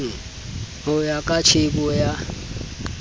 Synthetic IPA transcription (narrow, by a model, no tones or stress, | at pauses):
ɦʊjakʼat͡ʃʰɪbɔja